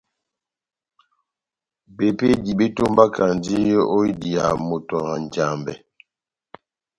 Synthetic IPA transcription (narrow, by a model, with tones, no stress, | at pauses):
be˨pe˦di˨be˦to˦mba˦kʰa˨ndi˦jo˦i˦di˨a˨mo˨tɔ˨ŋa˨n˨d͡ʒa˨mbɛ̰˨